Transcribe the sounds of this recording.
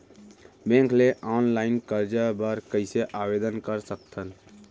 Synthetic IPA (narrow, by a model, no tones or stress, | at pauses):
bẽŋkleʔɔːnlaːɪnkəɾd͡ʒəbəɾkəɪseʔaːbed̪ənkəɾsək̚t̪ʰən